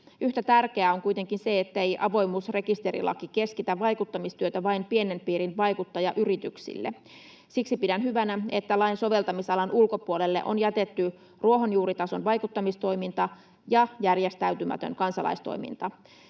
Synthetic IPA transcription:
ʔyht̪æt̪ærkeæoŋkujt̪eŋkinseet̪ːæejʔɑʋo̞jmuːsre̞kist̪e̞ɾḭlɑ̰kike̞skit̪æʋːɑjkut̪ːɑmist̪yøt̪æʋɑimpienempiːɾinʋɑjkut̪ːɑjɑʔyrit̪yksḭlːḛ | siksipidænɦyʋænæe̞t̪ːælɑjnso̞ʋe̞lt̪ɑmisɑlɑnulko̞puolelːḛʔo̞̰njæt̪et̪ːy | ruo̞ɦonjuːɾit̪ɑso̞nʋɑjkut̪ːɑmist̪o̞jmint̪ɑ | jɑjærjest̪æyt̪ymæ̰t̪ø̰ŋkɑnsɑlɑ̰ist̪o̰jmḭnt̪ɑ

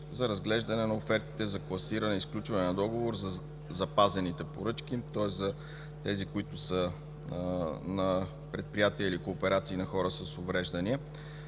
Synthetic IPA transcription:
zɐɾɐzɡlɛʒd̪ɐnɛnɐofɛɾt̪i̥t̪ɛzɐklˠɐsiɾɐnɛisklʲut͡ʃvɐnɛnɐd̪ɔɡovoɾzɐ | zɐpazɛnit̪ɛpoɾɤt͡ʃk̟it̪ɔɛszɐ | t̪ɛzikʊit̪ʊsə | nɐ | pɾɛt̪̚pɾijat̪iəilikoːpɛɾat̪siːnɐxɔɾəsəsʊvɾɛʒd̪ɐniɛ

